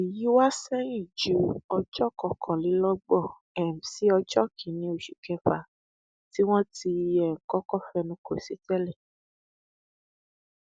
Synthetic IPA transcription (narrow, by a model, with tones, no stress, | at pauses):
i˨ji˨˦wa˦sɛ˦ĩ˦˨d͡ʒu˨˦ɔ˧d͡ʒɔ˦kɔ˧˨kʰɔ̃˨li˨˦lɔ˦ɡ͡bɔ˦˨ | ɛ˨m̩̃˨si˨˦ɔ˧d͡ʒɔ˦kʰi˨nĩ˨˦o˦˨ʃi˨kɛ˧fa˨ | ti˦w̃ɔ̃˦ti˧jɛ˨ŋ̩˨kɔ˦kɔ˦fɛ˧nũ˦ko˨si˦tɛ˦lɛ˦˨